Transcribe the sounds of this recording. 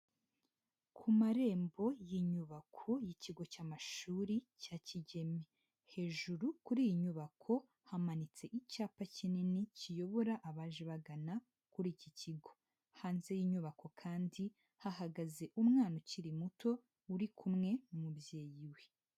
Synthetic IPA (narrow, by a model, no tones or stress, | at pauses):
kʰumaɾe̞ːmbo̞jiɲuβakʰo̞jiciɡo̞caːmaʃuːɾicaciɟe̞me | he̞ːʒuɾukuɾiːjiɲuβakʰo̞ | hamanit͡se̞ʔicaːpacininicijo̞βo̞ɾaʔaβaʒeβaɡana | kuɾiːciciɡo̞ | haːnze̞jiːɲuβakʰo̞kʰaːndi | haɦaɡaze̞ʔumŋaːno̞ciɾimuto̞ | uɾikʰumŋe̞umubje̞ːjiwe̞